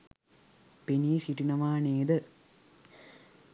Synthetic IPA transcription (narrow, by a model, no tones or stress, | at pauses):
peniːsiʈinɐʋaːneːd̪ə